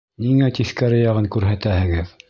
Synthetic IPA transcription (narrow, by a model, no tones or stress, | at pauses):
niŋæt̪iθkæɾɘ̆jɑʁɤŋkʉɾɦæt̪æhɘ̆ɡɘð